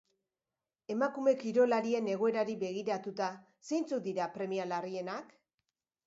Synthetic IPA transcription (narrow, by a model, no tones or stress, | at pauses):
e̞makume̞kiɾo̞laɾie̞ne̞ɣ̞o̞e̞ɾaɾiβe̞ɣ̞iɾat̪ut̪a | se̞jnt͡sut̪̚d̪iɾapɾe̞mialarie̞nak